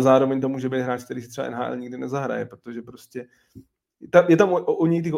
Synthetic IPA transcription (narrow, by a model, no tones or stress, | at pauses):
zaːɾo̞vɛɲt̪o̞muːʒɛbɛijt̪ɦɾaːt͡ʃk̚t̪ɛɾiːs̬ɪt̪sɛba̰ɛ̰nɦaːʔɛ̰lɲiɡdɪnɛzaɦɾa̰jɛpɾot̪oʒɛpɾoscɛ | jɛt̪amjɛt̪amʔoʔoɲɛjt̪ɪɣ